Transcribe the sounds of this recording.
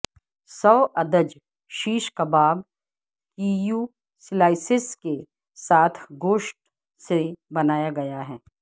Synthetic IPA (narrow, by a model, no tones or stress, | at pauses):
sɔːʔɐd̪əd͡ʒ | ʃiːʃkabaːb | kiːjuː | slaːɪsɪske | saːt̪ʰɡoːʃʈ̚ | sebɐnaːjaɡɐjaɦɛː